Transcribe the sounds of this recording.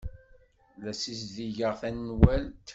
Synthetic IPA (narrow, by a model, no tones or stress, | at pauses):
læsis̬ðiʝəʁθænːwælt̪